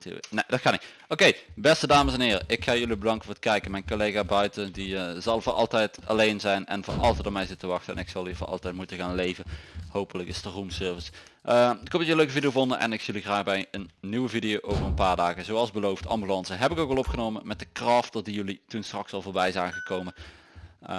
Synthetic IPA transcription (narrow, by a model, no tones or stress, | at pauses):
tːnedɑtkɑnitʔokejbɛstədaːməsɛnɦɪːrəʔɪkxaːjɵlibədɑŋkəvʊːɹtə̥kɛjkəmɛjnkolejɣaːbœɥtədiəzɑlˠvoːʔɑ̰lˠtɛjtɑlejnzɛjnɛ̰nvoːɹɑ̰lˠtɛjtɔmɛjzɪttəʋɑxtəɛ̰nɪksɑlˠivʊːrʔɑ̰lˠtɛjt̚mutəɣaːnlejvəhowpələkɪstərumsøːɹvəs | ʔəkɔp̚djəløkəvidijovondənʔɛ̰nɪksjəliɣraːɣbɛjənːywəvidijowʔowvərənpaːɹdaːɣəzowɑlˠzbəlowftʰɑ̰mbylɑnsəɦɛpɪkokʋɑlˠɔpxənowməmɛt̚dəkrɑftɑt̚dijɵlitunstrɑksɑlˠvʊːɹbɛjzaːɣəkowmə